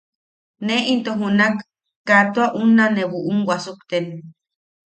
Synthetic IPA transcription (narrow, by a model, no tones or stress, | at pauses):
neʔint̪oɦunakː | at̪oaʔunːanewuʔuŋwasukt̪en